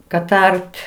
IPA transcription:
kɐt ˈɐrʲtʲ

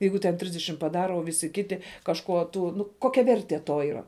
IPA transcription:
ˈjɛɪɡʊ tʲɛn ˈtʲrʲɪzʲdʲɛʃʲɪm pɐˈdɑːrɐ oː ˈʋʲɪsʲɪ ˈkʲɪtʲɪ kɐʃˈkuɔ ˈtuː ˈnʊ ˈkoːkʲɛ ˈʋʲɛrʲtʲiɛ ˈtoː iːˈrɐ

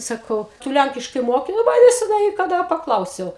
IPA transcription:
sɐˈkɐʊ ˈtʊ ˈlʲæŋʲkʲɪʃkɐɪ ˈmoːkʲɪ nʊ ˈʋɐ nʲɛsʲɛˈnɐɪ kɐˈdɐ pɐˈklˠɐʊsʲɛʊ

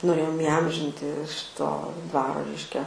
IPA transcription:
noːˈrʲeːjoːm ɪˈɐmʲʒʲɪnʲtʲɪ ˈʃʲɪtoː ˈdʋɑːroː ˈrʲɛɪʃʲkʲɛ

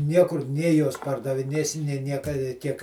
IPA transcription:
ˈnʲiɛkʊr ˈnʲeː ˈjuɔs pɐrdɐʋʲɪˈnʲeːsʲɪ nʲeː ˈnʲiɛkɐ ɪ ˈtʲiɛk

